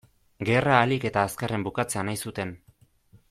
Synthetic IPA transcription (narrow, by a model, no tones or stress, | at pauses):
ɡe̞raːlike̞t̪aːskare̞mbukat͡se̞anajsut̪e̞n